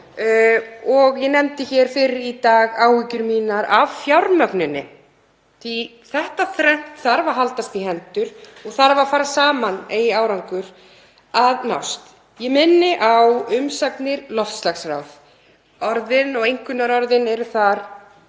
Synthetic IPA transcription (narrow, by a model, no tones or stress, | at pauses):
ɔɣjɛnɛmt̪ɪçɛɾ̥fɪɾɪɾit̪aːɣaːwhicʏɾmiːnaɾavfjawɾmœknʏnɪ̰ | θi | θɛht̪aθɾɛn̥t̪θaɾvaɾɦalt̪ast̪ihɛnt̪ʏɾ̥ɔɣθaɾvaɾfaːɾasaːmanejaːwɾawŋkʏɾ̥ | aðna̰wst̪ | jɛmɪnːɪʔawʏmsapnɪɾlɔft̪slaxsra̰wð | ɔɾðɪnɔɣejŋ̥kʏnaɾɔɾðɪnɛɾʏθaɾ̥